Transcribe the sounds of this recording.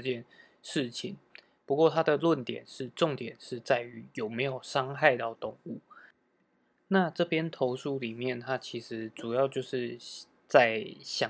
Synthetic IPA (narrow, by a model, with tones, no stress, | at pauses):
t͡ɕjɛ˥˨n | ʂɻ̩˥˩t͡ɕʰḭ˧˩˦ŋ | pu˧˥kwɔ˥˩t̪ʰa˥d̪ə˨lwə˥˨˩nt̪jɛ̰˨˩nʂɻ̩˥˧ʈ͡ʂʊ˥˨ŋt̪jɛ˨˩nʂɻ̩˥˧t͡sa˥˩ɪy˧˥jo˨˩ʊme˧˥ɪjo˨˩ʊʂɑ˥ŋxa˥˧ɪt̪ɑ˥˩ʊt̪ʊ˥˩ŋu˥˩ | na˥˧ʈ͡ʂɤ˥˨pjɛ˥nt̪ʰo˧˥ʊʂu˥li˨˩mjɛ˥˨nt̪ʰa˥t͡ɕʰi˧˥ʂɻ̩˧˥ʈ͡ʂu˨˩jɑ˥˧ʊt͡ɕjo˥˧ʊʂɻ̩˥˧ | t͡sa˥˩ɪɕjɑ˨˩